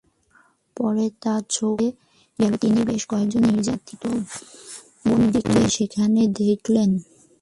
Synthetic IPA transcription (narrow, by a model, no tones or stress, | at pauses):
pɔɾet̪aɾt͡ɕʰoe | ɡaet̪inibeʃkɔek̚d͡ʑonːiɾd͡ʑat̪it̪o | bond̪ikeʃekʰaned̪ekʰlen